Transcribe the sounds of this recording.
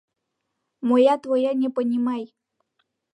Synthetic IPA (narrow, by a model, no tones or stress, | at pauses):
mojat̪vojanʲepənʲimaj